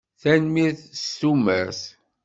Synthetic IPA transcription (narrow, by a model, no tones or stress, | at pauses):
θænmiɾθst̪umæɾs